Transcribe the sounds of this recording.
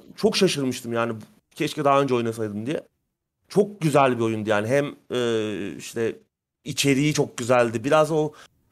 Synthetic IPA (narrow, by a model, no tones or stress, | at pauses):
t͡ʃʰo̞kʃaʃɯɾmɯʃt̪ʰɯmjaːnib | cʰɛʃcɛd̪aɦaø̞nd͡ʒɛo̞junas̬ajd̪ɯmd̪ijɛ̰ | t͡ʃʰo̞k̚ɟyzælʲbio̞jund̪ijaːniɦæmɛːḭʃt̪ʰɛ | it͡ʃʰe̞ɾijit͡ʃʰo̞k̚ɟyzælʲd̪ibiɾazo̞